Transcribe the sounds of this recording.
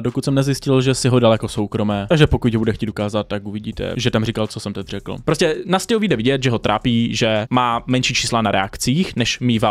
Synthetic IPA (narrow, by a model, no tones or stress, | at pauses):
dokut̪sɛmnɛzjɪscɪlʒɛsɪɦodalɛko̞so̞wkɾo̞mɛːt̪aɡʒɛpo̞kucɦobudɛxcʲiːt̪ukaːzat̪̚t̪ːakuvɪɟiːt̪ɛ̰ʒɛt̪amr̝ikalt͡sosɛmt̪ɛt̪ʲr̝ɛkl̩̰pɾoscɛnascɛuviːdɛvɪɟɛt̪ʒɛɦot̪ɾʔa̰ːpiːʒɛmaːmɛnʃiːt͡ʃiːslanaɾɛa̰kt͡siːxnɛʃmiːva